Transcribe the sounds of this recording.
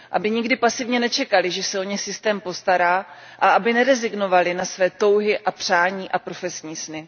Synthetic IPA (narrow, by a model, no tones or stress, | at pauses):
ʔa̰bɪɲɪɡdɪpasɪvɲɛnɛt͡ʃɛkalɪʒɛsɛo̞ɲɛxsɪst̪ɛːmpo̞st̪aɾaː | ʔaabɪnɛɾɛzɪɡno̞valɪnasvɛːt̪o̞wɦɪʔapr̝̥aːɲiːʔapɾo̞fɛsɲiːsnɪ